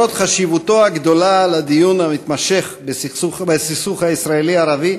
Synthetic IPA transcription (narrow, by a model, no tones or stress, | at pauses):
ot̪χaʃivut̪o̞aɡd̪o̞lalad̪ijunamit̪maʃe̞χbesiubesisuχhaisʁaeliaːʁavi